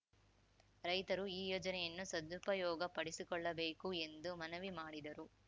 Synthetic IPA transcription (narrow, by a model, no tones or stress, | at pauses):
ɾɐjt̪ɐɾuiːjoːd͡ʒɐnɛjɐnːusɐd̪upɐjɔːɡɐpɐɽisikɔɭːɐbeːkue̞nd̪umɐnɐʋimaːɽid̪ɐɾu